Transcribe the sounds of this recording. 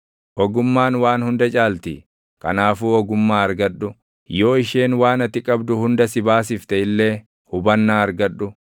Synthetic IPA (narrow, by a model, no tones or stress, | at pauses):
ʔɔɡʊmːaːnwaːnhʊnd̪ɐt͡ʃʼaːlt̪ɪ | kɐ̰naːfuːɔɡʊmːaːɐɾɡɐɗʊ | jo̞ːɪʃeːnwaːnɐt̪ːɪkʼɐbd̪ʊhʊnd̪ɐsɪbaːs̬ɪft̪ɛɪlːe̞ː | hʊbɐnːaːɐɾɡɐᶑːʊ